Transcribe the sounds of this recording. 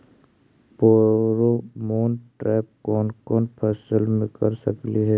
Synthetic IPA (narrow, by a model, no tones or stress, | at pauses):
poɾomoːnʈɾɛːp̚kɔːnkɔːnpʰɛsəlmẽkɐɾsəkliɦɛː